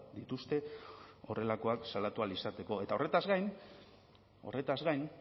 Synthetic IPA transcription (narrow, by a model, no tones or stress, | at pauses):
d̪it̪ust̪e̞o̞̰re̞lako̞aksalat̪ualisat̪e̞ko̞e̞t̪ao̞re̞t̪azɣajn | o̞̰re̞t̪azɣajn